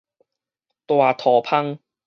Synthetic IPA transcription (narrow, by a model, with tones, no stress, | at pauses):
t̪waː˨˩t̪ʰɔː˨˩pʰɐ˥ŋ